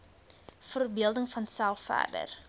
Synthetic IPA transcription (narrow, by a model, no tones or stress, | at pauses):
fərbiəlˠdəŋfɐnsælˠfæ̰rdə̰r